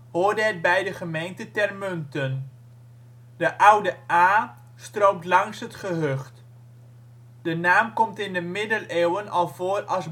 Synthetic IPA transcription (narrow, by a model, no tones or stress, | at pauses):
hoːrdəɦɛd̚bɛjdəχəmejntətɛrmɵntən | dəʔʌwdəʔaː | strowptlɑŋsɦətχəɦɵχt | d̥ənaːmkɔmtɪndəmɪdəleːwənɑlˠv̥oːrɑlˠz